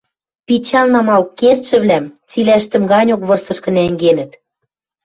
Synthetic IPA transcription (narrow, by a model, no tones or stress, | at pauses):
pit͡ɕɑlnɑmɑlkert̪ʃɘ̆βlæmt͡silæʃt̪ɘ̆mɡɑnʲokβɤ̆rsɤ̆ʃkɤ̆næŋɡenɘ̆t̪